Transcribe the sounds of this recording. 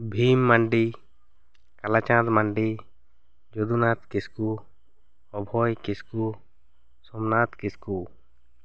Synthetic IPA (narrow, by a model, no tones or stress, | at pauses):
bʱimːaɳɖi | kalat͡ʃãt̪maɳɖi | d͡ʒɔd̪unat̪̚kisku | ɔbʱɔjkisku | sɔmnat̪kisku